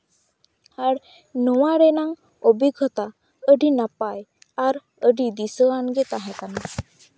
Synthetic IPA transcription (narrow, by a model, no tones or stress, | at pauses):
haɽ | nɔwaɾɛnaŋ | obiɡʱɔt̪a | əɖinapaj | aɾ | əɖid̪isɔanɡɛt̪aɦɛ̃t̪ana